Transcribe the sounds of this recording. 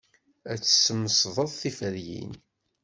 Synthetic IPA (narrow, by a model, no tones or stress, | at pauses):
æt͡sːə̥sːəməsðˤəðˤθifəɾjḭn